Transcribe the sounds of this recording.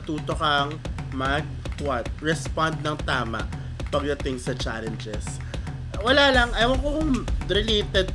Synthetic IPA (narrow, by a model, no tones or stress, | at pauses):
t̪uːt̪okɐŋmɐɡ̚wat̪̚ɹɛspand̪̚nɐŋt̪aːmɐ̰ʔ | pɐɡ̚lɐt̪ɪŋsɐt͡ʃa̰lɛnd͡ʒɛs | wɐlaːlɐŋʔɐjwɐkokʊŋɾɪleːt̪ɛd̪̚